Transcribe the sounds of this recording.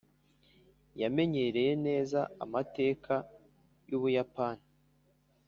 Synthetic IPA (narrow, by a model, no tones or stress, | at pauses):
jame̞ɲe̞ɾe̞je̞ne̞ːzaa̰mate̞ːkʰa | juβujapaːni